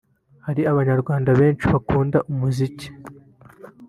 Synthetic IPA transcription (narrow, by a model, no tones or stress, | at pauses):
haɾiaβaɲaɾɡwaːndaβe̞ːnt͡ʃiβakuːndaʔumuzici̥